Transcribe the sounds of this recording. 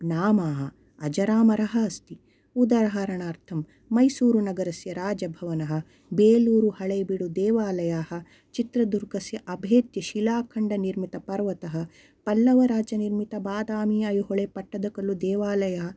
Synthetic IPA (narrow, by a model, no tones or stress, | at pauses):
naːmaːɦɐ | ɐd͡ʒɐɾaːmɐɾɐɦɐɐst̪i | ud̪ɐɾɐɦaɾɐɳaːɾt̪ʰɐmː | ɐjsuːɾunɐɡɐɾɐsjɐɾaːd͡ʒɐbʱɐʋɐnɐɦɐ̆ | beːluːɾuhɐɭebiɽud̪eːʋaːlɐjaːhɐ̆ | t͡ʃit̪ɾɐd̪uɾɡɐsjɐʔɐbʱeːt̪jɐʃilaːkʰɐɳɖɐniɾmit̪ɐpɐɾʋɐt̪ɐɦɐ̆ | pɐlːɐʋɐɾaːd͡ʒɐniɾmit̪ɐbaːd̪aːmiɐjuɦoɭepɐʈːɐd̪ɐkɐlːud̪eːʋaːlɐjɐɦɐ